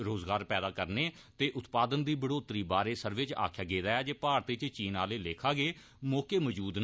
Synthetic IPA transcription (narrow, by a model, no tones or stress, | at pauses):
ɾoːzɡaːɾpɛːd̪aːkəɾneː | t̪eːʔʊt̪paːd̪ənd̪iːbəɽoːt̪ɾiːbaːɾeːsəɾʋɪt͡ʃa̰ːkʰjaːɡeːd̪aːaːd͡ʒeːpaːɾt̪it͡ʃt͡ʃiːnaːleːleːkʰaːɡeː | mɔːkeːməd͡ʒuːd̪n